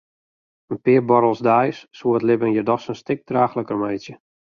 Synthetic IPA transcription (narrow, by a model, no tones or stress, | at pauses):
ənpɪərbɔɾəlˠsdajsːuətlɪbənjərdɔxsənstɪk̚d̥raːxləkərmɛjsjə